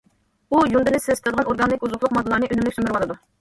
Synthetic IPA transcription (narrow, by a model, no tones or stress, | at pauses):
ujund̪ɨnɪsɪsʲk̪ʰʲɨd̪əʁɑnoɾɡɑnlɪkʲuzʊχlˠʊqmɑd̪ɨlˠɑɾnɨʔønymlɪkʲsymɪɾwɑlˠɨd̪u